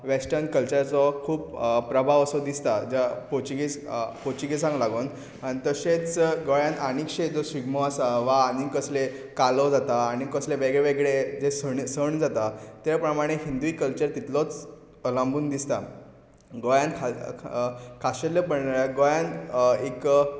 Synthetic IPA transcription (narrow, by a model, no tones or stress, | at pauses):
ʋesʈənkəlt͡ɕəɾt͡sɔkʰuːppɾəbʱaʋəsɔd̪ist̪ad͡ʑapot͡ɕiɡipot͡ɕiɡisãŋɡlaɡuːn | aɽ̃it̪əset͡sɡojãnanikɕed͡zɔsʋiɡmɔasaʋaːnikəsle | kalɔd͡zat̪aːñikəsleʋeɡɭeʋeɡɭed͡zesəɳsəɳd͡zat̪at̪epɾəmaɽ̃eɦind̪uikəlt͡ɕəɾt̪it̪lɔt͡s | lãmbuːnd̪ist̪a | ɡojankʰa | kʰaɕeləpəɳɡojãnek